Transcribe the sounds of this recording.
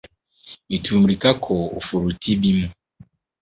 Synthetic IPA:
i˨tu˨m̩˨ɾi˨ka˦kʰɔ˨o̰˨fu˨ɾu˨ti˦bi˦mu˨

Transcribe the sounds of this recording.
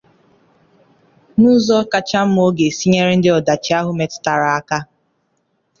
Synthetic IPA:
nu˦zɔ˦ka˨t͡ʃa˦m̩˦m˦o˦ɡe˨si˦ɲe˦ɾe˦n̩˦dɪ˦ɔ˨da˨t͡ʃɪ˦a˦ɦʊ˦me˨tta˨ɾa˨a˦ka˦

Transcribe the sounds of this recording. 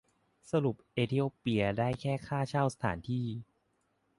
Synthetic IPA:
sa˧ɾu˨˩p̚ʔeː˧t̪ʰi˧˥oː˧˩pi˧ɐdaː˥˩jkʰɛː˥˩kʰaː˥˩t͡ɕʰaː˥˩wsa˧t̪ʰa̰ː˩˦nt̪ʰiː˥˩

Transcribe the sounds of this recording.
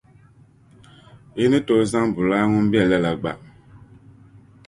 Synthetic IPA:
i˦ni˦to˦za˦ŋbʊ˨laː˦ŋu˦m˦bi˦ɛ˨lɛ˦la˨ɡ͡ba̰˨

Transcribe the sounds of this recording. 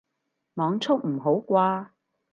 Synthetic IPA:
mɔː˨˧ŋt͡sʰʊ˥k̚m̩˨˩ɦo˨˥wkʷaː˧

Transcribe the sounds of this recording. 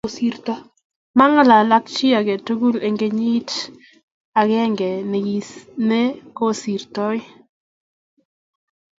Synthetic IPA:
si˦ɾtɔ˦ | ma˦ŋə˦la˨la˦k̚t͡ʃi˦a˨kɛ˨tu˦ɡu˦le˨ŋɡe˦ɲi˦t | a˨kɛ˦ŋɡɛ˨ne˨ɡi˦sne˦ko˦si˨ɾtɔ˦j

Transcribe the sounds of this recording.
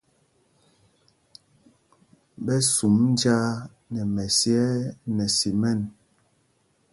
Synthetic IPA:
bɛ˦su˨mn˦d͡ʒa˦ | nɛ˨mɛ˨sjɛ˦nɛ˨si˨mɛ˦˨n

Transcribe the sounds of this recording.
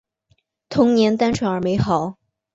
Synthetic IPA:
t̪ʰʊ˧˥ŋnjɛ˧˥nt̪a˥nʈ͡ʂʰwa˧˥ŋə˞˧˥me˧˥ɪxɑ˨˩˦ʊ

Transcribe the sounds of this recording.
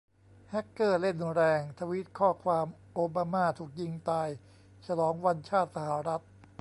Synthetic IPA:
hɛ˦˥kːɤː˥˩le˥˩nɾɛː˧ŋt̪ʰa˧wi˦˥t̪̚kʰɔː˥˩kʰwaː˧mʔoː˧baː˧maː˥˩t̪ʰuː˨˩k̚ji˧ŋt̪aː˧j | t͡ɕʰa˧lɔː˩˦ŋwa˧nt͡ɕʰaː˥˩t̪̚sa˧ha˩˦ɾa˦˥t̪̚

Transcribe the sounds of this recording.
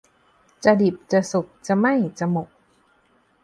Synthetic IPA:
t͡ɕa˨˧di˨˩p̚t͡ɕa˨˩su˨˩k̚t͡ɕa˨˩ma˥˩jt͡ɕa˨˩mo˨˩k̚

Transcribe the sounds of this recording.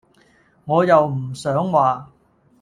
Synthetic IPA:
ŋɔː˨˧jɐ˨wm̩˨˩sœː˨˥ŋwaː˨

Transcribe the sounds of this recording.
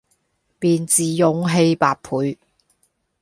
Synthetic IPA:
piː˨nt͡siː˨jʊ˨˧ŋɦe˧jpaː˧t̚pʰuː˨˥j

